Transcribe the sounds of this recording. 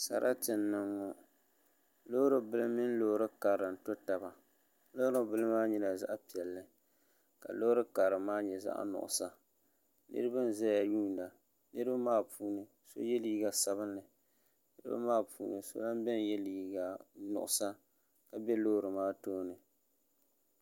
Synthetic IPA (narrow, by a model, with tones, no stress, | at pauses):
sa̰˨ɾʔa˦tɨ˨nːɨ˨ŋːo˨ | lo˦ɾɨ˨bɨ˦lɨ˦mɪ˦n˦lo˦hɾɨ˦ka˨ɾɨ˨n̩˨to˦ta˨ba˨ | lo˦hɾɨ˦bɨ˦lɨ˦maː˦ɲi˦na˨za̰˦ʔa˦pi˨ɛ˨lːɨ˨ | ka̰˨lo˦hɾɨ˦ka˨ɾɨ˨maː˦ɲɛ˨za̰˦ʔa̰˦nʊ̰˨ʔʊ̰˨sa˨ | nɨ̰˦ɾɨ˦ba˦n˦˨za˦ja˨juː˦n˨da˨ | nɨ˦ɾɨ˦ba˦maː˦puː˦nɨ˨ | so̰˦jɛ˦liː˦ɡa˨sa˦βɨ˦nːɨ˨ | nɨ˦ɾɨ˦ba̰˦maː˦pṵː˦nɨ˨so̰˦la˦n˦bɛ˦n˨jɛ˦li˨ɡa˨nʊ̰˨ʔʊ˨sa˦ | ka˨bɛ˦lo˦hɾɨ˨maː˦toː˦nɨ˨